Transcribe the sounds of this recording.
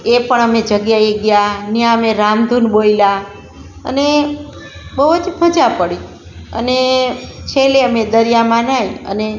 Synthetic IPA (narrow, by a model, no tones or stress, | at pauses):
epəɳəmed͡ʒəɡjaeɡjanjaəmeɾamd̪ʱunɓoila | ə̰ne | bəʋət̪ʰipəd͡ʒapəɽi | ə̰net͡ʃʰeleəmed̪əɾijamãnaj̃ə̰ne